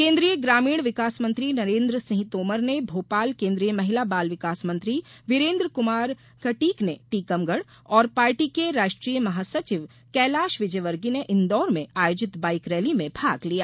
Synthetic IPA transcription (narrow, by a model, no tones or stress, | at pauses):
kẽːnd̪ɾijəɡɾaːmiːɽ̃ʋɪkaːsmɐ̃nt̪ɾinɐɾẽːnd̪ɾəsɪ̃ɦt̪oːməɾnebʱoːpaːlkẽːnd̪ɾijəmɐɦɪlabaːlʋɪkaːsmɐ̃nt̪ɾiʋɪɾẽːnd̪ɾəkʊmaːɾ | kɐʈiːkneʈiːkɐmɡəɽ | ɔːɾpaːɾʈikeɾaːʃʈɾiːjəmɐɦaːsɐt͡ʃɪʋ | kɛːlaːʃʋɪd͡ʒəjʋəɾɡineʔɪnd̪ɔːɾmẽaːjoːd͡ʒɪt̪baːɪkɾɛːlimẽbʱaːɡlijaː